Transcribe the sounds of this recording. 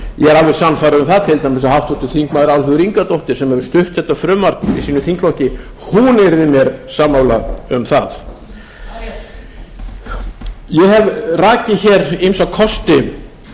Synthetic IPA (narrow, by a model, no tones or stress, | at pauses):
jɛɣɛɾalvɪsanfaːɾaʏmθaðt̪ʰɪlt̪ʰajmɪs̬ahawht̪ɔt̪ɪθiŋkmaːðɪɾawlfʏðʏɾiŋkat̪owht̪ɪ̥sɛmɛvʏɾ̥st̪ʏht̪θɛht̪afɾʏːmaɾt̪nisiːnʏθiŋklɔhcɪ | hunɛɾðɪmjɛɾsaːmːawlaʏmθaθ | jɛɛvraːcɪçɛːɾinsawkʰɔst̪ɪ